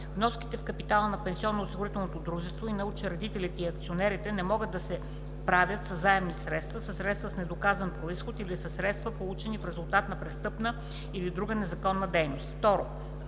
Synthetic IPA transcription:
vnɔski̥t̪ɛfkɐpit̪alˠənɐpɛnsiɔnːoosiɡʊɾit̪ɛlˠnot̪od̪ɾuʒɛst̪voinɐut͡ʃɛɾɐd̪it̪ɛlit̪ɛiɐkt̪sionɛɾit̪ɛnɛmɔɡəd̪ːɐsɛ | pɾavʲjət̪səzːaɛmnisɾɛt̪st̪vəsəsɾɛt̪st̪vəsnɛd̪okazənpɾoisxot̪ilisəsɾɛt̪st̪vəpolˠut͡ʃɛnifɾɛzulˠt̪at̪nɐpɾɛst̪ɤpnə | ilid̪ɾuɡənɛzɐkɔnːəd̪ɛjnost̪ft̪ɔɾo

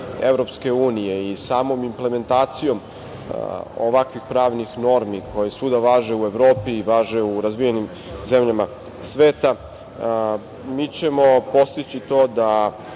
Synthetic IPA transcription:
evɾo̞pske̞uːnije̞isaːmo̞mimple̞me̞nt̪aːt̪sijo̞m | oʋakʋixpɾaːʋnixno̞ɾmiko̞jesud̪aʋaːʒe̞ue̞ʋɾoːpiːʋaːʒeuɾazʋijenim | ze̞mʎama | sʋe̞ːt̪a | miːt͡ɕe̞mo̞po̞st̪it͡ɕit̪o̞ːd̪a

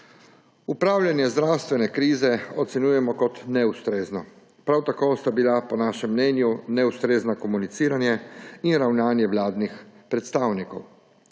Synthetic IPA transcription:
upɾaːwlʲjanjɛzd̪ɾawst̪ʋɛnɛkɾiːzɛɔt̪sɛnjuːjɛmɔkɔt̪nɛust̪ɾeːznɔ | pɾawt̪akoːst̪abilapɔnaːʃɛmːnɛnjunɛust̪ɾeːznakɔmunit̪siːɾanjɛinɾawnaːnjɛwlaːd̪nixpɾɛt̪st̪aːwnikɔw

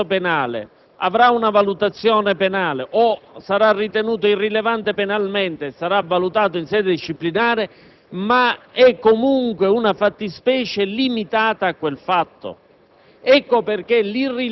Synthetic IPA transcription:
openaːlḛ | a̰vɾaunavalut̪at̪sːjɔːnepenaːleʔosaɾarːit̪enuːt̪oirːilevant̪epenalmɛnt̪esaɾavːalut̪aːt̪oinsɛːd̪ɪd̪iʃːiplinaːɾɪ | maɛkːomuŋkweunafat̪ːispɛːt͡ʃelimit̪aːt̪aːkːwelfat̪ːo̰ | ɛkːoperk̟elirːi

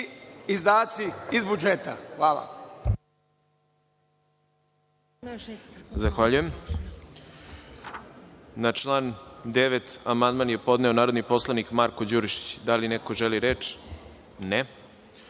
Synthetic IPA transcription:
izd̪aːt̪siizbud͡ʒet̪a̰xʋaːlˠa̰ | zaxʋaʎujem | nat͡ʃlˠaːnd̪eʋet̪amand̪manje̞po̞d̪neo̞naːɾod̪nipo̞slˠanikmaɾkod͡ʑuɾiʃi̥t͡ɕd̪alinekoʒeliɾeːt͡ʂ | ne

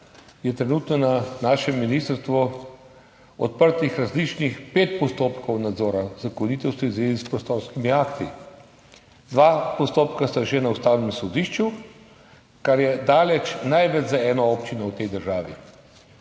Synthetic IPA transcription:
jɛt̪ɾɛnut̪nɔnanaːʃɛmːinist̪əɾst̪ʋɔ | ɔ̰t̪̚pəɾt̪ixɾazlit͡ʃnixpeːt̪̚pɔst̪oːpkɔwnad̪zɔːɾazakɔniːt̪ɔwst̪ɔizʋeːzispɾɔst̪oːɾskimiakt̪i | d̪ʋapɔst̪oːpkast̪aʒenaust̪aːwnɛmsɔd̪iʃt͡ʃu | kaɾjɛd̪aːlɛt͡ʃnajʋɛd͡ʒzaɛːnɔɔːpt͡ʃinɔwt̪ɛjd̪əɾʒaːʋḭ

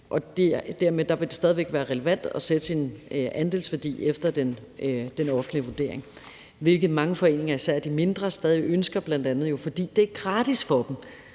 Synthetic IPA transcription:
ʔɒ̽d̥e̝d̥æɐ̰med̥ɑ̈ʋe̝d̥e̝sd̥ɛːð̞ˠiʋeɡ̥ʋæːɐʁɛleʋæn̰d̥ɒ̽sed̥əsinænd̥e̝lsʋæɐd̥ḭːefd̥ɐd̥en | d̥enɒ̽fn̩̥liʋuɐd̥e̝̰ɐ̰eŋ | ʋe̝lɡ̥ð̩ˠmɑ̈ŋəfɒ̽e̝̰ːne̝ŋɐisæɐ̰d̥ime̝nd̥ʁɐsd̥ɛːð̞ˠieʔønsɡ̥ɐb̥læn̰d̥ænð̩ˠjo̝fɒ̽d̥ḭːd̥e̝æɡ̥ʁɑ̈ːd̥isfɒ̽d̥em

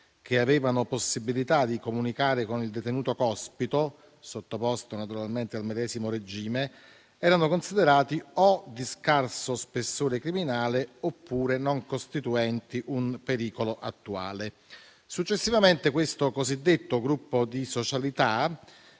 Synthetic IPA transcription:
k̟eavɛːvanoposːibilit̪ad̪ikomunikaːɾekonild̪et̪enuːt̪okɔspit̪o | sot̪ːopɔst̪onat̪uɾalment̪ealmed̪ɛːzimoɾed͡ʒiːme | ɛːɾanokonsid̪eɾaːt̪iɔd̪iskarsospesːoːɾekɾiminaːleopːuːɾenoŋkost̪it̪uɛnt̪iʔumpeɾiːkoloʔa̰t̪ːua̰ːle | sut͡ʃːesːivament̪ekwest̪okozid̪ːet̪ːoɡɾupːod̪isot͡ʃalit̪a

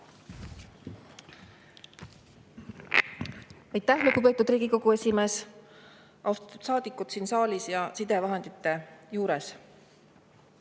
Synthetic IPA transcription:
ɑjt̪ːæhlukupe̞ːt̪ːˑud̪riːɡ̥iko̞ɡ̥ue̞sʲime̞ːs | ʔɑwst̪ɑ̥t̪ːud̪sɑːd̪̥ikːˑut̪siːnsɑːlisjɑsid̪evɑɦend̪̥it̪ːˑe̞juːɾes

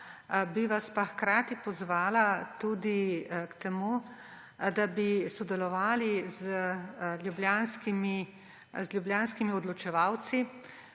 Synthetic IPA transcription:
biʋaspaxkɾaːt̪ipɔzʋaːlat̪ud̪ikt̪ɛmu | d̪abisɔd̪ɛlɔʋaːlizəlʲjubljaːnskimi | zljubljaːnskimiɔd̪lɔt͡ʃɛʋaw̪si

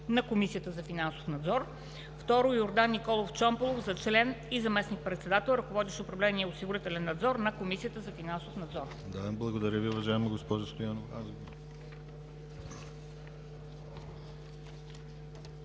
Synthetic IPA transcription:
nɐkomisijət̪əzɐfinanso̥fnɐd̪zɔɾ | ft̪ɔɾʊjʊɾd̪anːikɔlˠoft͡ʃɔmpolˠofzɐt͡ʃlɛnizɐmɛsnik̚pɾɛt̪sɛd̪at̪ɛlˠɾɐkovɔd̪iʃɛʊpɾɐvlɛniɛʊsiɡʊɾit̪ɛlɛnːɐd̪zɔɾnɐkomisijət̪əzɐfinansofnɐd̪zɔr | d̪ablˠɐɡod̪ɐɾʲəviʊvɐʒaɛmɐɡospɔʒəst̪ojanovɾazɡo

